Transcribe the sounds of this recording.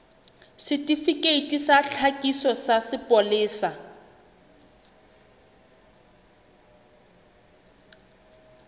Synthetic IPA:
sɪtʼifikʼeitʼisaɬʰakʼisɔsasɪpʼɔlɪːsa

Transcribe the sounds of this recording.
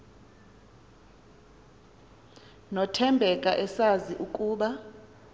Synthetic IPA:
nɔtʰɛmbʱɛkʼaʔɛsaziʔukʼuːɓa

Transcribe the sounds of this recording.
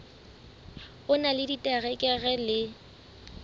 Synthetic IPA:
ʊnalɪditʼɛɣɛkʼɛɣɛlɪ

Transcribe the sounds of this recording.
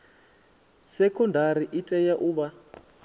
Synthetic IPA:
sɛkʰɔndʱaɾiʔitʼɛjaʔuβa

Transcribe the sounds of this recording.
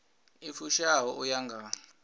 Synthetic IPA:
ifuʃawɔʔujaŋɡʱa

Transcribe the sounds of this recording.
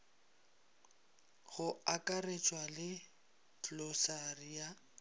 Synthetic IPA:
ɣʊakʼaret͡ʃʼwalɪ | t͡ɬʼlɔsarija

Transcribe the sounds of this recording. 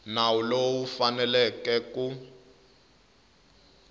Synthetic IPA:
nawulowufanɛlɛkɛku

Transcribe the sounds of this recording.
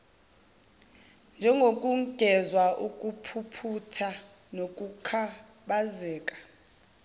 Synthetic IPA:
nd͡ʒʱɛŋɡʱokʼuŋɡ̥ʱɛzwaʔukʼupʰupʰutʰa | nokʼukʰa | ɓazɛːkʼḁ

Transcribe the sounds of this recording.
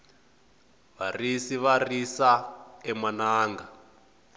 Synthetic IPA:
βarisiβarisaɛmanaːŋɡa

